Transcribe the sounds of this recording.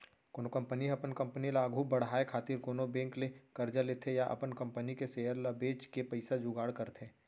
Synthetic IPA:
koːnokɐ̃mpəniɐpənkɐ̃mpənilaːɡʱubɐɽ̤ɦaːekʰaːt̪ɪɾkoːnobẽːŋklekɐɾd͡ʒalet̪ʰejaʔɐ̰pənkɐ̃mpənikeseːjəɾləbeːt͡ʃkepɐɪsad͡ʒuɡaːɽkɐɾt̪ʰeː

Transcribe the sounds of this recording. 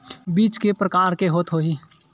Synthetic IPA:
biːt͡ʃkepɾəkaːɾkeɦoːt̪ɦoːi

